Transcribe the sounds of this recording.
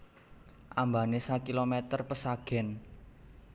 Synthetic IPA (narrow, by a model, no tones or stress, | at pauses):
ʔambanesakilomɛt̪ərpəsaɡ̥ɛn